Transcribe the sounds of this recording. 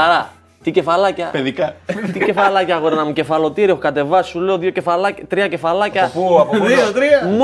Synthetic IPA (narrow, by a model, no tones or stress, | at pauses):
ɐɾɐ | t̪ice̞fɐlɐcɐpeðikɐt̪ice̞fɐlɐcɐɣoɾenɐmuce̞fɐlo̞t̪iɾio̞xo̥kɐt̪e̞vɐsːule̞o̞ðjo̞ce̞fɐlɐct̪ɾiɐce̞fɐlɐcɐpupit̪ɾiɐm